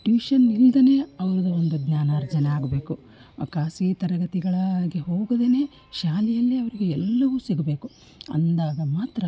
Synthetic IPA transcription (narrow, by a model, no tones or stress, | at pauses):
ʈʋiːʃɐnːild̪ɐne̞ːɐʋɐɾud̪ɐo̞nd̪uɡnaːnaːɾd͡ʒɐnɐaːɡɐbe̞ːku | ɐ̰kaːsit̪ɐɾɐɡɐt̪iɡɐɭɐɡeɦoːɡɐd̪ene̞ː | ʃaːlijɐlːiɐʋɐɾiɡe̞ɛlːɐʋusiɡɐbe̞ːku | ɐ̰nd̪aːɡɐmaːt̪ɾɐ